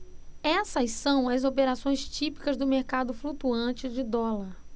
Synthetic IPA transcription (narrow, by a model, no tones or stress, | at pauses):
ɛsɐssɐ̃w̃ɐzopeɾasõj̃st͡ʃipi̥kɐzd̪ʊmeɾkad̪ʊflut̪uɐ̃t͡ʃɪd͡ʒɪd̪ɔlɐɾ